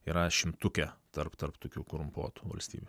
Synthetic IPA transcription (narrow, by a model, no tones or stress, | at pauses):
iːɾɐʃʲɪmt̪ʊkʲɛt̪ɐɾpt̪ɐɾpt̪oːkʲuːɡɾʊmpoːt̪u̥ʋɐ̰lʲsʲt̪ʲḭːbʲu